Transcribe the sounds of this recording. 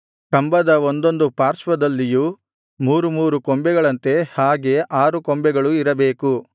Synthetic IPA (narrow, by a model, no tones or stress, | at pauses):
kɐmbɐd̪ɐond̪o̞nd̪upaːɾsʋɐd̪ɐlːiju | muːɾumuːɾukombɛɡɐɭɐnt̪e̞haːɡe̞ʔaːɾukombɛɡɐɭuiɾɐbe̞ːku